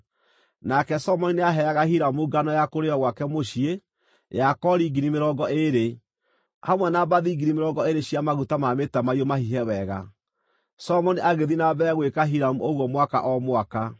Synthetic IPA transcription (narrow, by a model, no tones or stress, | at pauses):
nakɛsɔmɔnineaɦɛaɣahiɾamuɡanɔjakoɾeɔɣwakɛmoʃie | jakɔɾiɡiɾimeɾɔːɡɔʔeɾe | hamwɛnabaðiːɡiɾimeɾɔɡɔeɾeɕiamaɣutamametamaiomahiɦɛwɛɣa | sɔmɔniʔaɣeðinaβɛɣwekaɦiɾamuoɣwɔmwaka̰ʔɔmwaka